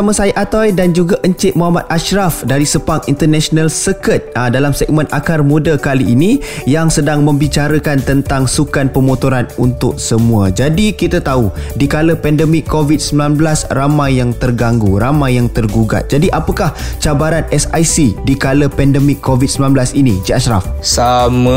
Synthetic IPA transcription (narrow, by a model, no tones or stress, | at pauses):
aməsajəʔat̪ajdand͡ʒuɡaʔəɲt͡ʃɪʔ̪̚muɦamat̪̚aʃɾafdaɾisəpaŋint̪ərnɛsonalsəkət̪̚dalamsɛɡ̚mə̃nakarmudəkaliʔːnĩjaŋsədaŋmə̃mbit͡ʃaɾəkant̪ənt̪aŋsukanpəmõt̪oɾanunt̪ʊk̚səmũad͡ʒadikit̪at̪audikaləpɛndəmɪkʰːovid̪̚səmbilanblasramajːaŋt̪ərɡaŋɡuɾamãjːaŋt̪ərɡuɡa̰t̪̚d͡ʒadiʔapəkaht͡ʃabaɾanɛsajsidikaləpɛndəmɪkʰːovid̚səmilanblasinid͡ʒiaʃɾa̰fsamə